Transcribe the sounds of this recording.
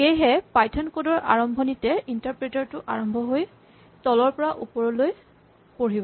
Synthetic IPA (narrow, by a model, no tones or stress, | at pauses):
xejɦɛpajtʰɔnkodɔɹʔa̰ɹɔmbʱɔnitɛintaɹpɹetɔɹtʊʔaɹɔmbʱɔɦoj | tɔlɔɹpɔɹaʔupɔɹɔloj | poɹibɔ